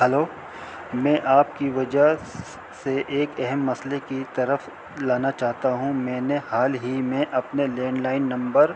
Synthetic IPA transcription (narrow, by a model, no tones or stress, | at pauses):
ɦɛloː | mɛ̃ːʔaːp̚kiʋɐd͡ʒəɦ | seʔeːkɛɦɛmːɐslekit̪ɐɾəf | laːnat͡ʃaːɦt̪aɦũmɛ̃ːnehaːlɦimẽʔɐpneleːnlaːɪnːɐ̃mbəɾ